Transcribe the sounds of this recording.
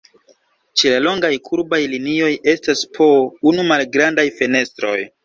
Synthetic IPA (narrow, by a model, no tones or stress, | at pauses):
t͡ʃelalo̞ŋɡajkʰuɾbajlinio̞je̞staspʰo̞unumalɡɾandajfe̞ne̞stɾo̞̰j